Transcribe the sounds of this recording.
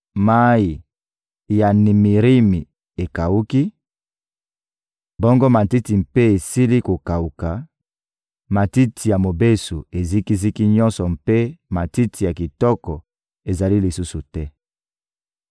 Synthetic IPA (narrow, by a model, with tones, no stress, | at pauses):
ma˦ji˨ | ja˨ni˨mi˨ʁi˦mi˨ | e˨ka˨u˦ki˦ | bɔ˦ŋɡɔ˦ma˨ti˦ti˨mpe˦e˨si˦li˦ko˨ka˨u˨ka˨ | ma˨ti˦tʰi˨ja˨mo˨be˦su˨e˨zi˦ki˦zi˦ki˦ɲɔ̃˦nsɔ˨mpe˦ma˨ti˦tʰi˨ja˨ki˨tɔ˦kɔ˨ | e˨za˨li˦li˨su˦su˨tɛ˦